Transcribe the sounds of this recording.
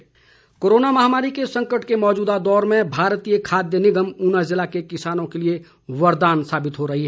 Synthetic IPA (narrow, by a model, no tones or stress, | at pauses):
koːɾoːnamɐɦaːmaːɾikesɐ̃ŋkəʈkemɔːd͡ʒuːd̪ad̪ɔːɾmẽbʱaːɾt̪ijəkʰaːd̪jənɪɡəmʊnəszɪlakekɪsaːnõkelie | ʋɐɾd̪aːnsaːbɪt̪ɦoɾɐɦiɦɛː